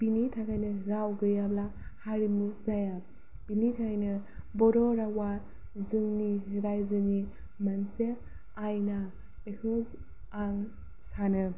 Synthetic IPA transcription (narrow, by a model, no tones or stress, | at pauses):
binitʰakʰajnɯɾawɡɯjablahaɾimuzaja | pinitʰakʰajnɯ | bɔɾɔɾawa | zɯŋniɡajzɯni | manse | ajna | bekʰɯz | aŋ | sanɯ